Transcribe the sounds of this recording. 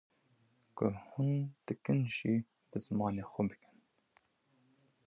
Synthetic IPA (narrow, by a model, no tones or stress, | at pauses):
kʰʊhund̪̥ɨkɨnʒiː | bɨzmɑːneːxʷɛbɨkɨ̥n